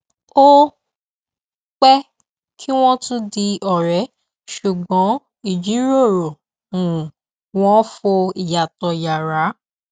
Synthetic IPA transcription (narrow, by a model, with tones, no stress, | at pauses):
o˦ | k͡pɛ˦ | kʰi˦w̃ɔ̃˦tũ˦di˧ɔ˨ɾɛ˨˦ | ʃu˨ɡ͡bɔ̃˨˦ | i˨d͡ʒi˨˦ɾo˦˨ɾo˨ | ũ˨ | w̃ɔ̃˦fo˧i˨ja˨tɔ˧ja˨ɾa˨˦